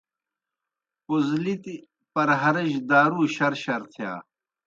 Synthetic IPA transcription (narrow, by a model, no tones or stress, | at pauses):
puzlit̪i | pɐɾɦɐɾɐʑd̪aːɾuːɕɐɾɕɐɾt̪ʰija̰ː